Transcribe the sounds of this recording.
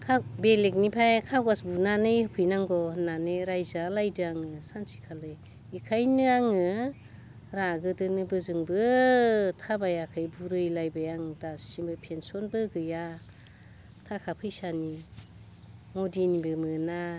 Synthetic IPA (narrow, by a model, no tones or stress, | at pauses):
kʰabelek̬̚nipʰajkʰaɡwasbunanɯjhɯpʰɯjnaŋɡɔnanɯɾajzalajdɯaŋɯsansi̥kʰalɯj | ikʰajnɯaŋɯ | ɾaɡɯdɯnɯbɯzɯŋbɯ | tʰabajakʰɯjbuɾɯjlajbajaŋdasibɯpʰensɔnbɯɡɯja | tʰakʰapʰɯjsani | modinibɯmɯna